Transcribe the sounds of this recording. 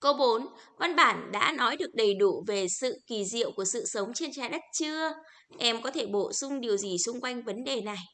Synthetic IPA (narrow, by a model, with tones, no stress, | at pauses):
ko˧ɓo˨˦nva˧nɓaː˧˩nɗa̰ː˧˥nɔ˨˦jɗɨ˨˩ək̚ɗə˨˩jɗu˧˩ve˨˩sɨ̰˧˨ki˧˩zḭ˧˨əwku˧˩əsɨ̰˧˨sə˨˦wŋ͡mt͡ɕe˧nt͡ɕaː˧˩jɗə˦˥t̚t͡ɕɨ˧ə | ʔɛ˧mkɔ˨˦t̪ʰe˧˩ɓo̰˧˨sʊ˧ŋ͡mɗi˨˩əwzi˨˩sʊ˧ŋ͡mkwa˧jŋ̟və˨˦nɗe˨˩na˨˩j